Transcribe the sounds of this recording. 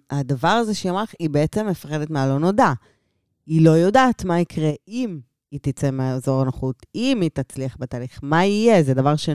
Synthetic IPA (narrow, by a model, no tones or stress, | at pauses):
adavaʁazeʃeamaχibeet͡se̞mːe̞faχedetmealo̞no̞da | ilo̞jo̞daːt̪maikʁeim | itit͡semeazo̞ʁanaχutimit̪at͡sliaχbetaːliχmaijezedavaʁʃe